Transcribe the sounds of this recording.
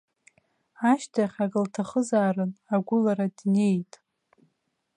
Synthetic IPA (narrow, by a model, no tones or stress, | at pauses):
aʃtʰaχʲaɡɨltʰaχəzaːrɨnaɡʷʊlaɾadne̞jtʼ